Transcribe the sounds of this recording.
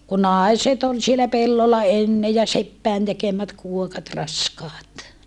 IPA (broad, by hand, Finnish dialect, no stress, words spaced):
ku nɑˑiset ol sielæ pelːolːɑ enːe jɑ sepːæin tekemæt kuokɑt rɑskɑːt